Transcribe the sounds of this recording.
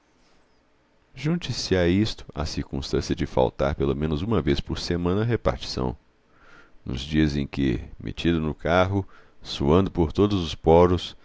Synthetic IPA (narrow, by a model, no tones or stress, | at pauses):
ʒũt͡ʃisɪaist̪ʊ̥a̰siɾkũst̪ɐ̃siɐd͡ʒɪfa̰wt̪a̰ɾpelomẽnʊzũmɐvespoɾsemɐ̃nɐɦepa̰ɾt͡ʃi̥sɐ̰̃w̃ | nʊ̰zd͡ʒiɐzẽj̃kɪ̰mʔḛt͡ʃid̪ʊnʊkaɦʊsuɐ̃nd̪ʊpoɾt̪od̪ʊzʊspɔɾʊs